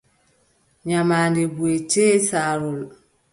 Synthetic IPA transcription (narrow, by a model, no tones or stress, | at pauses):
ɲamaːndibuet͡ʃeːsaːɾul